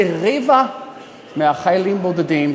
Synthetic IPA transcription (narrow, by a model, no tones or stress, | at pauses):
iʁiva | meaχajlimbod̪ed̪im